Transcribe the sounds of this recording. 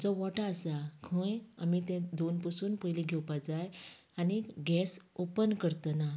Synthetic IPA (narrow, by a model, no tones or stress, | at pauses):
d͡zɔʋɔʈaːsakʰə̃jamit̪ɛ̃d̪onpəsuːnpəjliɡʱɛwpad͡zaj | aniɡɛsopənkəɾt̪əna